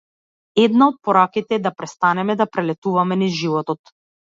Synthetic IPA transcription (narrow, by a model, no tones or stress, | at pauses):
ɛd̪naɔt̪̚pɔɾakit̪ɛːd̪apɾɛst̪anɛmɛd̪apɾɛlɛt̪uvamɛniʒivɔt̪ɔt̪